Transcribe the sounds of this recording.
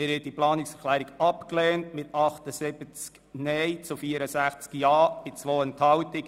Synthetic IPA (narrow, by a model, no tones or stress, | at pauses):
ɪɾhɛt̚diplɑːnɪksɛɾklæːɾiɡɑpkleːntmɪtɑχt̪əsɪbət͡sk | nɛjt͡sufiːəɾəsæχt͡skiɑːb̥ɪt͡sʋoːənthɑwtɪk